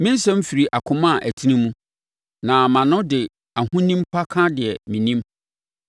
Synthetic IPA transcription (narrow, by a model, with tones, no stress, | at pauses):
mɪ̃˦n˦sɛ̃˦m̩˦fi˨ɾi˨ʔa˨kʰʊ̃˦mã˦˨ʔæ˨tʰi˦nĩ˦mũ˦ | nã˨mã˨nʊ̃˦dɪ˨ | a˨hũ˦nĩ˦mpʰa˦kʰã˦dɪ˨ɛ˨mĩ˨nĩ˦m